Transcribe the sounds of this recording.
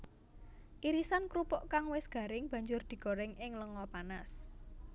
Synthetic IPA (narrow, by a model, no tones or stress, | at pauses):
ʔiɾisankɾupɔʔkaŋwɪsɡ̥ä̤ɾɪŋb̥ä̤ɲd͡ʒʊrd̪̥i̤ɡ̥o̤ɾɪŋɪŋləŋɔpanas